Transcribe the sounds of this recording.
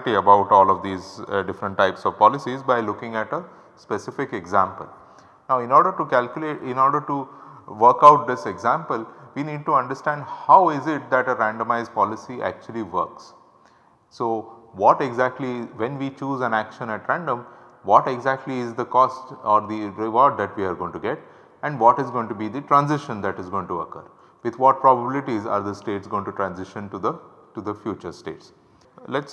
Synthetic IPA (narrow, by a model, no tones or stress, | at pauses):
ʈiɐbaʊʈɔːlɔʋd̪iːzɖɪfɾə̃ɳʈːaɪpsɔʋpɔːlɪsizbaɪlʊkɪ̃ŋɡæʈə | spesɪfɪkeɡzæ̃mpəl | naʊɪ̃nɔːɾɖəɾʈukælkjʊleːʈɪ̃nɔːɾɖəɾʈuʋəɾkaʊʈ̚d̪ɪseɡzæ̃mpəlʋiːniːɖ̚ʈuɐ̃ɳɖəɾsʈæ̃ːɳɖhaʊɪzɪʈ̚d̪æʈəɾæ̃ɳɖəmaɪzɖ̚pɔːlɪsiʔæ̰k̚t͡ʃuəliʋə̰ɾks | soːʋɔːʈeɡzæk̚ʈliʋɛ̃nʋiːt͡ʃuːzæ̃nækʃə̃næʈɾæ̃ɳɖə̃m | ʋɔːʈeɡzæk̚ʈliɪzd̪əkɔːsʈɔːɾd̪iɾɪʋɔːɾɖ̚d̪æʈʋiːaɾɡõːɪ̃ŋʈuɡeʈ | ɛ̃ɳɖʋɔːʈɪzɡoːɪ̃ŋʈubiːd̪iʈɾãnzɪʃə̃nd̪æʈɪzɡõɪ̃ŋʈuə̰kə̰ɾ | ʋɪd̪ʰʋɔːʈ̚pɾɔbəbɪlɪʈiza̰ːɾd̪əsʈeːʈsɡõːɪ̃ŋʈuʈɾæ̃nzɪʃə̃nʈud̪əʈud̪əfjuːt͡ʃəɾsʈḛːʈs | lɛʈs